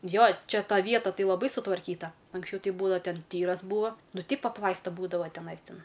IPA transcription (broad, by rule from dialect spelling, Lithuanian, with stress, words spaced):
ˈjoː ˈt͡ʃʲɛ ˈtɐ ˈʋʲiɛtɐ ˈtɐɪ lˠɐˈbɐɪ sʊtʋɐrʲˈkʲiːtɐ ɐŋksʲˈt͡ʃʲɛʊ ˈtʲɛɪ ˈbuːdɐʋɐ ˈtʲɛn ˈtʲiːrɐs ˈbuːʋoː ˈnʊ tʲɛɪp ɐpˈlˠɐɪstɐ ˈbuːdɐʋɐ tʲɛˈnɐɪs ˈtʲɛn